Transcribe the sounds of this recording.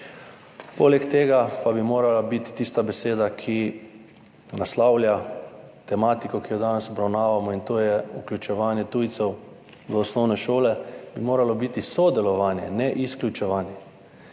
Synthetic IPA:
po̰lɛkt̪eːɡapabimoːɾalabit̪i̥t̪ist̪abɛseːd̪akʰi | naslawlʲja | t̪ɛmaːt̪ikɔkijɔd̪aːnɛsɔbɾawnaːʋamɔint̪oːjɛuklʲut͡ʃɛʋaːnjɛt̪uːjt̪sɛw | ʋəɔsnɔwnɛʃoːlɛbimoːɾalɔbit̪isɔd̪ɛlɔʋaːnjɛ̰nɛʔisklʲut͡ʃɛʋaːnjɛ

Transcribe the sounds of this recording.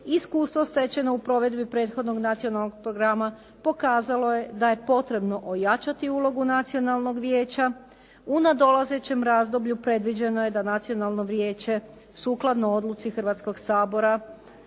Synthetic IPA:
iskuːst̪ʋo̞st̪e̞t͡ɕe̞no̞upɾo̞ʋe̞d̪bipɾe̞ːt̪xo̞d̪no̞ɡnat̪sio̞nalˠnoɡ̚pɾo̞ɡɾama | po̞kaːzalo̞je̞d̪aje̞po̞t̪ɾe̞bno̞ʔojat͡ʃat̪iuːlˠo̞ɡunat̪sio̞nalˠno̞ɡʋjeːt͡ɕa | unad̪o̞lˠaze̞t͡ɕe̞mɾaːzd̪o̞bʎupɾe̞d̪ʋid͡ʑe̞no̞je̞d̪anat̪sio̞nalˠno̞ʋɾje̞ːt͡ɕe̞ | suːklˠad̪no̞o̞d̪lˠut̪sixr̩ʋat̪sko̞ɡsaːbo̞ɾa

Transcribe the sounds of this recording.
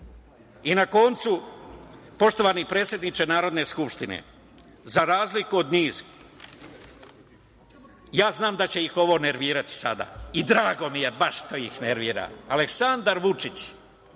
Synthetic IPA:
inako̞nt̪su | po̞ʃt̪o̞ʋanipɾet̪sʲje̞d̪nit͡ʃenaːɾo̞d̪ne̞skupʃt̪inḛ | zaɾaːzlikuod̪niːz̥ | jaːznaːmd̪at͡ɕe̞jixo̞ʋo̞ne̞ɾʋiːɾat̪i̥sad̪a̰ːid̪ɾaːɡo̞mije̞baʃt̪ojixneɾʋiːɾa̰ːleksand̪aɾʋut͡ʂit͡ɕ

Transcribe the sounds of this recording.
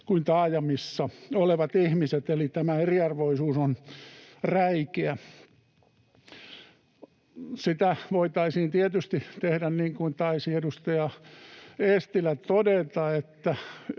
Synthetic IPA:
kuint̪ɑːjɑmisːɑoleʋɑt̪ihmiset̪elit̪æmæeriɑrʋoisuːson | ræikeæ | sit̪æʋoit̪ɑisiːnt̪iet̪yst̪it̪ehdænniːŋkuint̪ɑisiedust̪ɑjɑ | est̪ilæt̪odet̪ɑet̪ːæ

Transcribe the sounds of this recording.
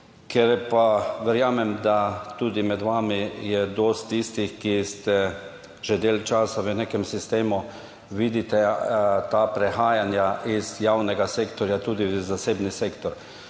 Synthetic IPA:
kʰɛɾpaʋɛɾjaːmɛmd̪at̪uːd̪imɛd̪ʋaːmijɛd̪oːst̪ːist̪ixkist̪ɛ | ʒ̥ɛd̪eːlt͡ʃaːsaʋənekɛmsist̪eːmu | ʋid̪it̪ɛt̪apɾɛxaːjanjaʔizjawnɛɡaseːkt̪ɔɾjat̪uːd̪izaseːbniseːkt̪ɔɾ

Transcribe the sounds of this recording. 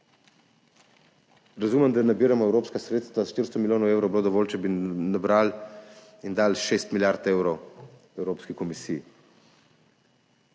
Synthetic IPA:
ɾazumɛmd̪anabiːɾamɔɛwɾoːpskasɾeːt̪st̪vaʃt̪iɾst̪ɔmiljoːnɔweːwɾowbloːd̪ɔʋɔːlt͡ʃɛbinabɾal | ind̪alʃest̪miljaɾt̪eːwɾɔw | ɛwɾoːpskikɔmisiː

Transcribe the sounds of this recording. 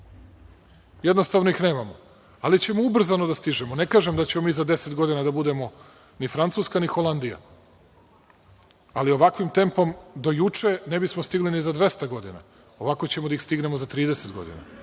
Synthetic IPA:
jed̪nost̪aʋno̞ixneːmamo | alit͡ɕe̞moubr̩zanod̪ast̪iʒemone̞kaːʒemd̪at͡ɕemomiːzad̪e̞set̪ɡo̞d̪inad̪abud̪e̞mo̞ | nifɾant̪suːskanixolˠand̪ija̰ | alio̞ʋakʋimt̪e̞mpo̞md̪o̞jut͡ʂene̞bismost̪iɡlinizad̪ʋe̞st̪aɡo̞d̪ina̰ | o̞ʋako̞t͡ɕe̞mod̪aixst̪iɡne̞mozat̪ɾiːd̪ese̞t̪ɡo̞̰d̪ḭna̰

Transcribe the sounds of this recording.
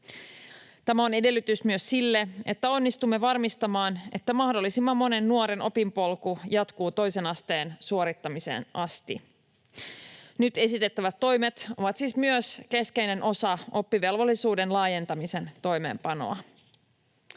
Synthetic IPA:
t̪æmæo̞ne̞de̞lːyt̪ysmyøsːilːee̞̰t̪ːæo̞nːist̪umːe̞ʋɑrmist̪ɑmɑːne̞̰t̪ːæmɑhdo̞lːisimːɑmːo̞ne̞nːuoɾenʔo̞pimpo̞lkujɑt̪kuːt̪o̞jse̞nɑst̪e̞ːnsuoɾit̪ːɑmise̞̰nʔɑst̪i | nyt̪e̞sit̪e̞t̪ːæʋæt̪ːo̞jmet̪o̞̰ʋɑt̪siːsmyøske̞ske̞ijne̞nʔo̞sɑo̞pːiʋe̞lʋo̞lːisuːde̞nlɑːje̞nt̪ɑmise̞nt̪o̞jme̞̰ːmpɑno̞̰ɑ

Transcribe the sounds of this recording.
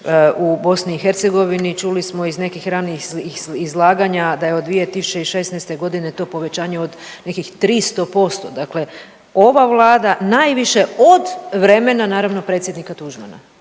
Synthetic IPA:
ubo̞sniːxeɾt̪se̞ɡo̞ʋinit͡ʃulismo̞izne̞kixɾaniixizlˠaːɡaɲad̪ajeod̪d̪ʋije̞t̪isut͡ʃeiʃe̞snɛjst̪e̞ɡo̞d̪ine̞t̪o̞po̞ʋe̞t͡ɕaːɲe̞od̪ne̞kixt̪ɾist̪o̞po̞st̪o̞d̪akle̞ | o̞ʋaʋlˠaːd̪anajʋiʃe̞o̞d̪ʋɾe̞me̞nanaːɾaʋno̞pɾet̪sjed̪nikat̪uʒma̰na̰

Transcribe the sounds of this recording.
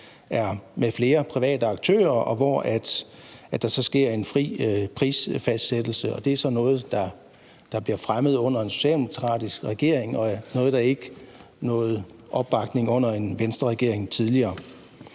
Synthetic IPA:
æɐmefle̝ːɐpʰʁiʋɛ̰ːd̥əɑ̈ɡ̥̚t͡sʰø̰ːɐʔɒ̽ʋɒæd̥æd̥ɑ̈sɒ̽sɡ̥e̝ɐ̰e̝nfʁḭːpʰʁiːsfæsd̥sed̥l̩səɒ̽d̥e̝æɐsɒ̽nɔ̽ːð̩ˠd̥ɑ̈ | d̥ɑ̈b̥liɐfʁamð̞̩ˠɔ̽n̰ɐe̝nso̝̥ɕɛ̰ld̥emokʰʁɑ̰̈ːd̥isɡ̥ʁɛɡ̥e̝ɐ̰e̝ŋɒ̽nɔ̽ːð̞̩ˠd̥ɑ̈e̝ɡ̥ | nɔ̽ːð̞̩ˠ | ʔɒ̽b̥ːɑ̈ɡ̥ne̝ŋɔ̽n̰ɐe̝nʋensd̥ʁɐʁɛɡ̥e̝ɐ̰e̝ŋt͡sʰið̞ˠliɐː

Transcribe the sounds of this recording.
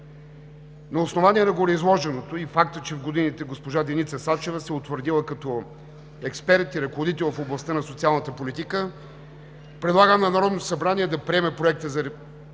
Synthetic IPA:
nɐʊsnovanʲiɛnɐɡoɾɛizlˠɔʒɛnot̪oifakt̪ət͡ʃɛvɡod̪init̪ɛɡospoʒad̪ɛnit̪səsat͡ʃɛvəsɛʊt̪vəɾd̪ilˠəkɐt̪ɔ | ɛkspɛɾt̪iɾɐkovod̪it̪ɛlˠfoblˠɐst̪ənɐsot̪sialˠnət̪əpolit̪ikə | pɾɛd̪lˠaɡəmnɐnɐɾɔd̪nosɐbɾanʲiɛd̪ɐpɾiɛmɛpɾoɛk̚t̪əzɐɾ

